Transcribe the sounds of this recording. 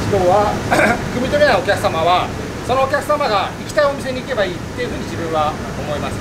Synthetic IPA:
kʲo̞ːβakɯ̟mʲit̪oɾʲinaokʲakɯ̟̥samaβa | so̞noːkʲakɯ̟̥samaɡaikʲi̥t̪aio̞mis̬e̞ɲ̟iːke̞baiːt̪ːe̞jɯ̟ɸɯ̟ːɲ̟id͡ʑibɯ̟̃βa | omo̞imasɨ̥

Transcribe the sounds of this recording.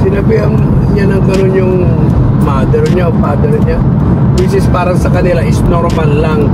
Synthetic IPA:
sɪnɐbiɐŋ | ɲanɐŋɡɐnonjʊŋ | maːd̪ɛɾɲaofaːd̪ɛɾɲa | bis̬ɪspaːɾɐŋsɐkɐnɪlaʔɪsnoɾmɐlːaŋ

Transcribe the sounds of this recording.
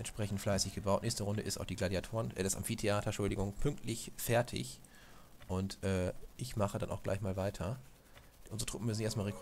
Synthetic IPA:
ʔɛntʃpʁ̥ɛç̬n̩tflaɪsɪçɡ̥əbaʊtnɛːçstəʁʊndəʔɪstaʊxd̥iːɡladiatʰoːʁənʔɛ̰ɪsta̰mfiːtʰeaːtʰɐʃʊldɪɡʊŋpʰʏŋk̚tʰlɪçfɛɐtʰɪ̰ç | ʔʊntʔɛːʔɪçmaχəda̰nʔaʊxɡ̥la̰ɪçmaːlvaɪtʰɐ | ʔʊnzəʁətʁ̥ʊpm̩mʏsn̩eːstmaːlʁek

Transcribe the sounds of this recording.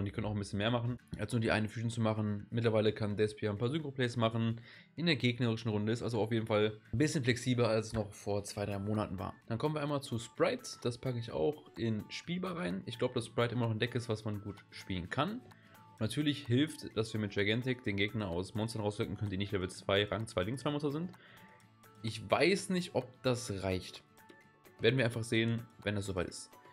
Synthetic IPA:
ndiːkœnənaʊxn̩bɪsçənmeːɐmaχn̩ʔalsnuːɐdiːʔa̰ɪnənfyːtn̩t͡sumaχn̩mɪt̬lɐvaɪləkʰandɛspiaɪnpʰaːɐzʏŋkʁ̥opʰlɛːsmaχn̩ | ʔɪndeːɐɡeːɡnəʁɪʃn̩ʁʊndəɪstʔa̰lzoaʊfjeːdn̩falbɪsçənflɛksiːblɐalsɛ̥snɔχfoːɐt͡sv̥aɪdʁaɪmoːnatn̩va̰ːɐd̥ankʰɔməniːɐaɪmaːlt͡suspʁ̥aɪtd̥aspʰakəɪça̰ʊxʔɪnʃpiːlbaʁaɪnʔɪçɡ̥laʊbədaspʁ̥aɪtʔɪmɐnɔχɪndɛkɪstv̥asmanɡuːtʃpiːlənkʰan | ʊnnatʰyːɐlɪçhɪlftd̥asv̥iːɐmɪt̚d͡ʒ̥aɡɛntɪkd̥eːnɡeːɡnɐaʊsmɔnstɐnʁaʊsʁʏk̚ŋ̩kʰœnəndiːnɪçtv̥aviːɐt͡sv̥aɪʁa̰ŋt͡sv̥aɪlɪŋkst͡sːvaɪmɔnstɐzɪnt | ʔɪçva̰ɪsnɪçtʔɔp̚d̥asʁaɪçt | veːɐdn̩vːɐaɪnfaχz̥eːənvɛndasz̥oːvaɪtɪ̥st

